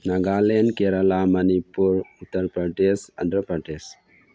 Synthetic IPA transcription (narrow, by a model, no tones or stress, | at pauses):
nɐɡalenkeɾɐlamɐnipuɾut̪ːəɾpɾɐɖesɐ̰nd̪ɾəpɾɐɖes